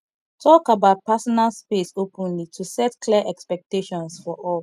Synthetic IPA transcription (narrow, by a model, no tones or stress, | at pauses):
tʰɔkabaʊt̚pasɔnalspesopʰə̃nlitʰusɛtkʰliəʔɛkspɛk̚teʃɔ̃nsfɔʔɔl